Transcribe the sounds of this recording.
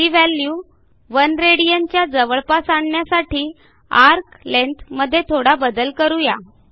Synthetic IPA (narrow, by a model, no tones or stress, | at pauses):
iʋæljuː | ʋənɾeɽijəɲt͡ɕjad͡zəʋəɭpasaɳɳjasaʈiː | aɾklent̪ʰməd̪ʱːjet̪ʰoɽabəd̪əlkəɾuja